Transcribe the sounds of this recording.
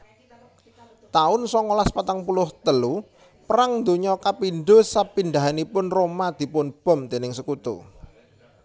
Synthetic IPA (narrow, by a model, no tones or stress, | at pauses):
t̪aʊnsɔŋolaspat̪aŋpulʊht̪əlu | pəɾaŋnd̪o̤ɲɔkapinɖ̪o̤sapind̪a̤ɦanipʊnromad̪̥i̤pʊnb̥ɔ̤md̪̥e̤nɪŋsəkut̪ṵ